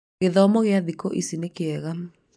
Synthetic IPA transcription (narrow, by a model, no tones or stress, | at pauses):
ɣeðɔmɔɣeaðikoʔḭsinekeɛɣan